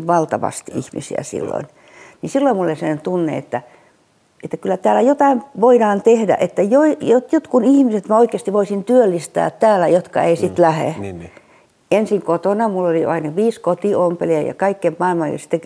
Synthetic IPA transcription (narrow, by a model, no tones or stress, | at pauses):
ʋɑlt̪ɑʋɑ̰st̪ḭhmḭsḭæ̰sḭlːo̰in | nisilːoimmulːesennt̪unːḛḛt̪ːæ | et̪ːækylːæt̪æːlːæjot̪ɑinʋoidɑːnt̪ehdæ̰ʔet̪ːæjoijot̪jot̪kunihmiset̪mæoikˑeːst̪iʋoisint̪yølːist̪æ̰ːt̪t̪ːæːlːæjot̪kɑ̰eisit̪læhḛ | ensiŋkot̪onɑmulːoliɑinɑʋiːskot̪iompeliɑjɑ̰kɑikːempmɑilmɑljɑ̰si̥t̪ːe